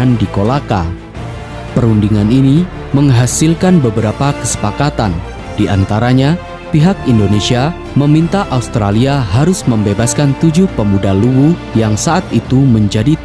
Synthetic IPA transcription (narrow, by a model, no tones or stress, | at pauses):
andikolaka | pəɾundiŋanini | məŋɦasɪlkanbəbəɾapakəsə̥pakat̪an | d̥iʔant̪aɾaɲa | piɦak̚indonesia | məmint̪aʔaust̪ɾaliaɦaɾʊsməmbebaskant̪ud͡ʒʊhpəmudaluwujaŋsaʔat̪it̪uməɲd͡ʒadi